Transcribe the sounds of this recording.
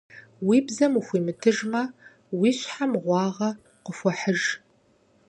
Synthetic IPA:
wiːbzɐmuxʷiːmɨtʰɨʒmɐ | wiːɕħamʁʷɑːʁɐ | qəfʷɔħəʒ

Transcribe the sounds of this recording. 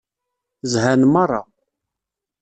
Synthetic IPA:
zhænmɑrˤːɑ̰

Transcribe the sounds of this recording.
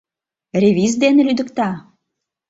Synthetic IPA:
rʲeβʲizd̪enelyd̪ə̆kt̪ɑ

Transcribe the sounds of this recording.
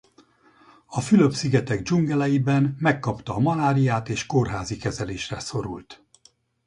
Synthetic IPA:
ɒfylø̞psiɡɛt̪ɛɡd͡ʒuŋɡɛlɛjibɛnmɛkːɒpt̪ɒːmɒlaːɾijaːt̪eːʃkorɦaːzikɛzɛleːʃrɛso̞ɾṵlt̪

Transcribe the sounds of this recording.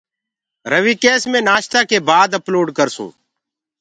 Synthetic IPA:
ɾəʋiːkeːsmẽːnaːʃt̪aːkeːbaːd̪əploːɖkəɾsṵ̃ː

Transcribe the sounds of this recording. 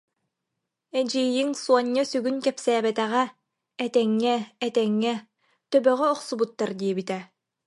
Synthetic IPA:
ɛd͡ʑiːjiŋsuɔɲːasyɡynkɛpsæːbɛt̪ɛʁɛː | t̪ɛŋːɛːt̪ɛŋːɛ | t̪œbœʁɛɔqsubut̪ːaɾd̪iɛbit̪ɛ

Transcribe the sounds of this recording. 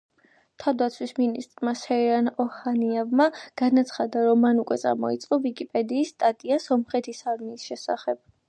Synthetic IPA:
t̪ʰavd̪at̪sʰwisminist̪ʼɾmasɛiɾanɔhaniɛvmaɡ̥anat̪sʰχad̪aɾɔmːanukʼwɛt̪sʼa̰ɾmɔḭt̪sʼqʼɔvikʼipʼɛd̪iːsːt̪ʼat̪ʼiasɔmχɛt̪ʰisaɾmiːsʃɛsa̰χɛb̥̚

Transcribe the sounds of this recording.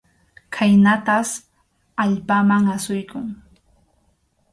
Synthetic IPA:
kʰajnat̪as | aʎpamaŋasʊjkʊŋ

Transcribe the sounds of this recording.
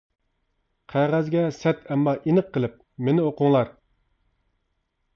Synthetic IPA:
qʰæʁæzɡʲɛsɛt̪ʰɛmːɑʔinɨqʰːəlˠɪp̚ | menɪoqʊŋlˠɑɾ

